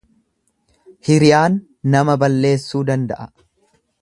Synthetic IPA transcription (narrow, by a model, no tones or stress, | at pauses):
hɪɾɪjaːnː | ɐmɐbɐlːe̞ːsːuːd̪ɐnd̪ɐʔɐ